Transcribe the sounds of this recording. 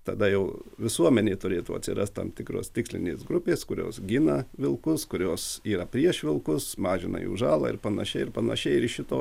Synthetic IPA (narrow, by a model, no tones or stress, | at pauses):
t̪ɐd̪ɐjɛʊʋʲɪsuɔmʲɛnʲeːt̪ʊɾʲeːt̪ṵːɐ̰t̪ʲsʲɪ̰ɾɐst̪t̪ɐ̰mt̪ʲɪkɾo̰ːst̪ʲɪksʲlʲɪ̰nʲḛːsɡɾʊpʲeːskʊɾʲo̰ːsɡʲɪnɐʋʲɪlˠkʊskʊɾʲoːsiːɾɐpʲɾʲiɛʃʋʲɪlˠkʊsmɑːʒʲɪnɐ̰jṵːʒɑːlˠɐ̰ɪɾpɐnɐʃʲɛɪɪɾpɐnɐ̰ʃʲɛɪɪɾʃʲɪt̪oː